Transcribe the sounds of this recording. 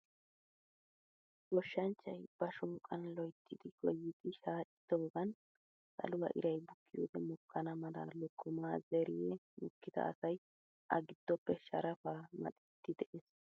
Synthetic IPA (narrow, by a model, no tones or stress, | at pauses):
ɡɔʃːɐnt͡ʃːɐjb̥ɐʃɔːkʼɐnlɔjt̪ʰːɪd̪ɪkʼɔjːɪd̪ɪʃaːt͡ʃʼɪ̥d̪̥oːɡɐn | sɐ̰lʊwɐ̰ʔɪ̰ɾɐjbʊkːɪjo̰ːd̪ɛmʊkːɐnɐmɐlɐ̰lɔkːʊmaːzɛɾɪjɛmʊkːɪd̪ɐ̰ʔːsɐj | ʔɐ̰ɡɪd̪̥ːɔpːɛʃɐɾɐfamɐ̰t̪ʼɪ̥t̪ːɪd̪ɛʔes